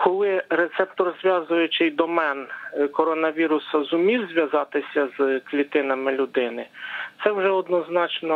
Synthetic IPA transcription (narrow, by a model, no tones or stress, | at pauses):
kʰɔlˠɪɾet̪sɛp̚t̪ɔrzʲʋʲjɑzʊjʊt͡ʃɪjd̪ɔmɛnkɔɾɔnɐʋʲiɾʊsɐzʊmʲiwzʲʋʲjɐzɑt̪ɪsʲɐzklʲit̪ɪnɐmɪlʲʊd̪ɪnɪt̪sɛwʒɛɔd̪nɔznɑt͡ʃnɔ